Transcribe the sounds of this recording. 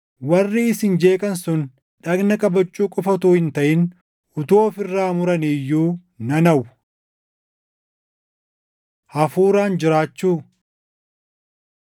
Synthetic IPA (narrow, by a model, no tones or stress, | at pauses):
wɐrːiɪsɪnd͡ʒe̞ːkʼɐnsʊn | ᶑɐɡnɐkʼɐbɐt͡ʃʼːuːkʼʊfɐt̪uːhɪnt̪ɐʔɪn | ʔʊt̪oːfɪrːaːmʊɾɐnijːuː | nɐnɐʊ | hɐfuːɾaːnd͡ʒɪɾaːt͡ʃːuː